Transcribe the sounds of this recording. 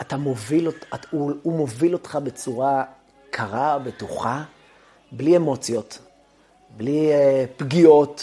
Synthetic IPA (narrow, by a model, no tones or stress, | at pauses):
atamoviloauumovilo̞tχabe̞t͡suʁa | kʰaʁabetuχa | bliemo̞t͡sjo̞t | blipɡio̞t